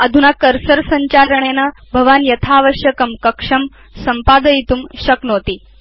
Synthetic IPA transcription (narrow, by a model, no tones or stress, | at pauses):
ɐd̪ʱunakəɾsəɾsɐɲt͡ɕaɾəɳena | bʱəʋanjɐt̪ʰaːʋəɕjəkəmkəkʂɐm | sɐmpad̪əit̪umɕɐknoːt̪iː